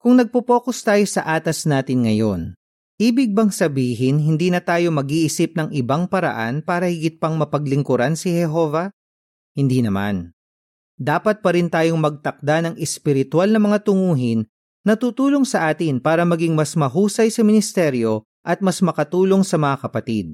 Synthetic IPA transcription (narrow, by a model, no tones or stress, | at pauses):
kʊŋnɐɡ̚popo̞ːko̞st̪aːjo̞sɐʔaːt̪ɐsnaːt̪ɪnŋɐjo̞̰n | ʔiːbɪɡ̚bɐŋsɐbiːɦɪnɦɪnd̪iːnɐt̪aːjo̞mɐɡiʔɪsɪp̚nɐŋʔɪbaŋpɐɾɐ̰ʔa̰npaːɾɐhɪɡɪt̪̚pɐŋmɐpɐɡlɪŋkʊɾansɪhɛɦo̞ːvɐ | hɪnd̪iːnɐma̰n | d̪aːpɐt̪̚pɐɾɪnt̪aːjo̞ŋmɐɡ̚t̪ɐk̚d̪anɐŋɛspɪɾɪt̪walnɐmɐŋat̪ʊŋuːɦɪnː | ɐt̪uːt̪uːlo̞ŋsɐʔaːt̪ɪnpaːɾɐmɐɡɪŋmɐsmɐɦuːsɐjsɐmɪnɪst̪ɛɾjo̞ | ʔɐt̪̚mɐsmɐkɐt̪uːlo̞ŋsɐmɐŋakɐpɐt̪id̪̚